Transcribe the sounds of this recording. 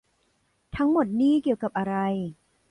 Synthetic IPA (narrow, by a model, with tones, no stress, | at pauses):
t̪ʰa˦˥ŋmo˨˩t̪̚niː˥˩ki˨˩əwka˨˩p̚ʔa˧ɾa˧j